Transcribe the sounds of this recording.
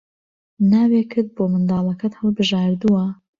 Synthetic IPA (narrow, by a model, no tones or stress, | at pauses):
naːwekʰɨɾd̪̚bomɨnd̪ɑːlˠɐkɐt̪hɨlˠbɨʒaːɾd̪uwɐ